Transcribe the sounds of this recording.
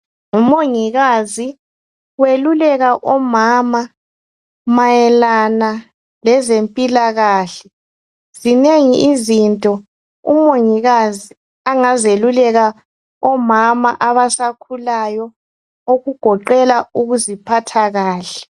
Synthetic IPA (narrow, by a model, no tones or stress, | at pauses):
umoŋiɣazi | welulɛɣaʔɔmama | majɛlana | lɛzempʼilaɣaːɬɛ | zineŋiʔizintʼɔ | ṵmoŋiɣazi | aŋazelulɛɣa | ɔmama̰ʔaβasakʰulajɔ | oɣuɡ̥ʱɔǃɛlauɣuzipʰatʰaɣaːɬɛ̥